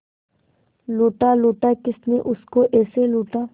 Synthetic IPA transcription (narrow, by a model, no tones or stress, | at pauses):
loːʈaːloːʈaːkɪsneʔʊskoʔɛːseloːʈaː